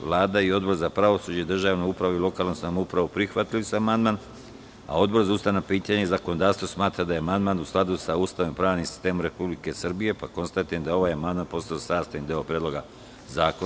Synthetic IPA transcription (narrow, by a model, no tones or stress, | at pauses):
ʋlˠaːd̪aio̞d̪bo̞ɾzapɾaʋo̞sud͡ʑeid̪r̩ʒaːʋnoupɾaʋuilˠo̞kaːlˠnosamoupɾaʋupɾixʋat̪lisuamand̪man | a̰o̞d̪̚bo̞ɾzaust̪aʋnapiːt̪aɲeizakono̞d̪aːɾst̪vo̞smaːt̪ɾad̪ajeamand̪maːnusklˠad̪usauːst̪aʋimpɾaːʋnimsi̥st̪emomɾe̞publike̞sr̩bije̞pako̞nst̪at̪iend̪ao̞ʋaːjamand̪maːnpo̞st̪aosaːst̪ajind̪eopɾed̪lˠo̞ɡa | zaːko